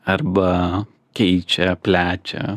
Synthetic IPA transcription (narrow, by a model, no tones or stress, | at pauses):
ɐɾbɐ | kʲɛɪt͡ʃʲɛpʲlʲæːt͡ʃʲɛ̰